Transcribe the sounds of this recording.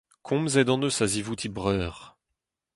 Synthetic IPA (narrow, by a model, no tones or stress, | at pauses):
kʰɔ̃mzɛd̪ɑ̃nəsazivut̪ʰibʁœːʁ